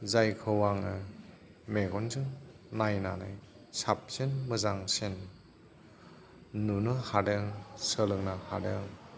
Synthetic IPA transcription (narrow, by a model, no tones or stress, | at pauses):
zajkʰɯwaŋɯ | meɡɔnzɯŋ | najna̰naj | sap̚senmɯzaŋsen | unɯhadɯŋsəlɯŋnaha̰dɯŋ